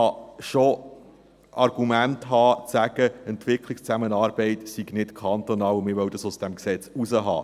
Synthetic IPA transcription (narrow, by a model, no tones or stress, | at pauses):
ɑʃo | ʔɑɾɡ̥umæntɦɑːt͡sæɡ̥əɛntʋɪkʰlikst͡sæmənɑːɾbɛɪtsiɡnɪtkʰɑnt̪onɑːlʊmɪɾʋœʊdɑsʊsd̥ɛmksɛt͡suzəɦɑ̰ː